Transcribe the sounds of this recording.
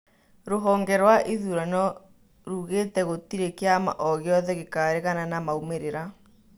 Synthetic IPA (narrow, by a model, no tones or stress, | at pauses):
ɾoɦɔːŋɡɛɾwaʔiðuɾanɔ | ɾuɣeːtɛɣotiɾekeama̰ʔɔɣjɔðɛɣekaɾeɣananamaumeɾeɾa